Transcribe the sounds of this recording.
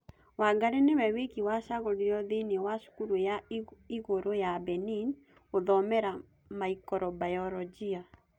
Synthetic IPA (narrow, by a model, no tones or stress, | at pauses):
waɡaɾenewɛwekiwaʃaɣoɾiɾɔðenewaʃu̥kuɾojaiɣoɾojabɛnin | oðɔmɛɾa | maikɔɾɔbajɔɾɔd͡ʒia